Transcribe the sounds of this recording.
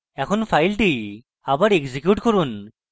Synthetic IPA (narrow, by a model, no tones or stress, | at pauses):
ɛkʰɔnpʰajlʈi | abaɹeɡzikjuʈkɔɹun